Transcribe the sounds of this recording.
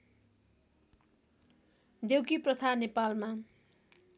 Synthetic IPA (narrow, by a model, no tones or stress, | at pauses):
d̪ewkiprʌt̪ʰanepalma